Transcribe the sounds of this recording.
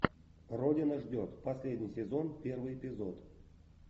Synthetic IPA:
rodʲɪnəʐdʲot̪pɐsʲlʲedʲnʲijsʲɪzo̞npʲervɨjepʲɪzot̪

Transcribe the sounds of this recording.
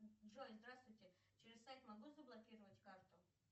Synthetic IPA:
dʐojʲzd̪ɾast̪vʊjtʲɪ | t͡ɕɪɾʲɪssajt̪mɐɡuzəblˠɐkʲiɾəvətʲkart̪ʊ

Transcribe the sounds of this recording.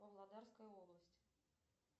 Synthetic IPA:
bəvlˠad̪arskəjəoblˠəsʲtʲ

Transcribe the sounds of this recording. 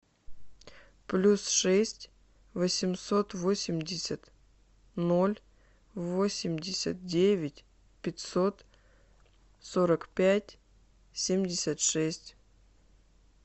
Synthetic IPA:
plʲusʂɛsʲtʲ | vəsʲɪmso̞t̪vo̞sʲɪmʲdʲɪsʲət̪ | no̞lʲ | vo̞sʲɪmʲdʲɪsʲə̰t̪̚dʲevʲɪtʲ | pʲɪtʲsot̪ | so̞ɾəkpʲætʲ | sʲemʲdʲɪsʲət̪ʂɛsʲtʲ

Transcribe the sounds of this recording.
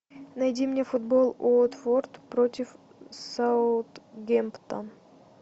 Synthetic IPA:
nɐjdʲimnʲefʊd̪bolˠot̪fort̪pɾotʲɪf | saʊt̪ɡʲempt̪ən

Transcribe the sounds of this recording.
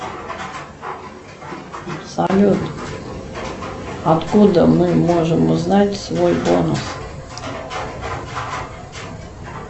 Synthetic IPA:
sɐlʲut̪ | ɐt̪kud̪əmɨmo̞ʐɨmʊznatʲsvojbonṵs

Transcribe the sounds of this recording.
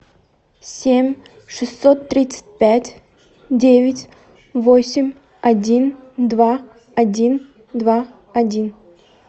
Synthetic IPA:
sʲemʲ | ʂɨst̪ːot̪ːɾʲit̪sɨ̥t̚ʲpʲætʲ | dʲevʲɪtʲ | vosʲɪmʲ | ɐdʲind̪va | ɐdʲin | d̪va | ɐdʲin

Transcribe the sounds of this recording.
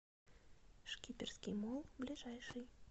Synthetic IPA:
ʂkʲipʲɛrskʲimɔlˠblʲiʐajʂɨj

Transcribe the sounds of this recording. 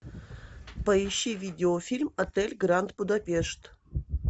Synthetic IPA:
pəiɕːivʲidʲɪofʲilʲmɐt̪elʲɡɾant̪̚bud̪apʲeʂt̪

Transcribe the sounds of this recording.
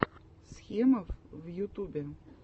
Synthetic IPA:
sxʲemɐfvjut̪ubʲɛ

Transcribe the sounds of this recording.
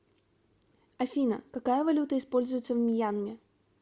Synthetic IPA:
ɐfʲinə̰kɐkajəvɐlʲut̪əɪspo̞lʲzʊjɪt̪səvmʲɪjanmʲɪ

